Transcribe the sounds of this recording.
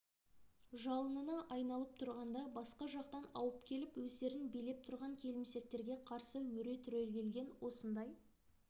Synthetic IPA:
ʒɑlˠənənɑʔɑjnɑlˠəp̚t̪ʰʊɾʁɑnd̪ɑbɑsqɑʒɑqt̪ɑnɑwəpkʲʰe̞lɪpwɵzd̪e̞ɾɪnbijle̞p̚t̪ʰʊɾʁɑŋkʲʰe̞lɪmse̞k̚t̪e̞ɾɡʲe̞qʰɑɾsəwɵɾe̞t̪ʰʏɾe̞lɡʲe̞lɡʲe̞nwo̞sənd̪ɑj

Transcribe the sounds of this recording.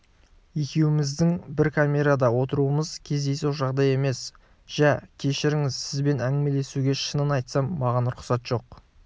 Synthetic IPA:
je̞kʲe̞wɪmɪzd̪ɪŋbɪɾkʰamʲe̞ɾad̪ɑwo̞t̪əɾuəməz̥kʲʰe̞zd̪e̞jsuwˠʒɑʁd̪ɑje̞me̞s | ʒ̥ækʲʰe̞ʃɪɾɪŋɪzsɪzbe̞næŋɡɪmele̞suɡʲe̞ʃənənɑjt̪sɑmːɑʁɑnɾʊqsɑt̪ʒ̥o̞q̚

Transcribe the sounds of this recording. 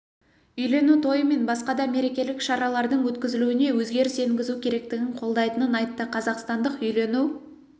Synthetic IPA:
ʏjle̞nut̪ʰo̞jəme̞nbɑsqɑd̪ɑme̞ɾe̞kʲe̞lɪkʃɑɾɑlˠɑɾd̪əɴwɵt̪kʲɪzɪluɪne̞wɵzɡʲe̞ɾɪse̞ŋɡʲɪzukʲʰe̞ɾe̞k̚t̪ɪɡʲɪɴqʰo̞lˠd̪ɑjt̪ənənɑjt̪ːəqʰɑzɑqst̪ɑnd̪əqʏjle̞nu

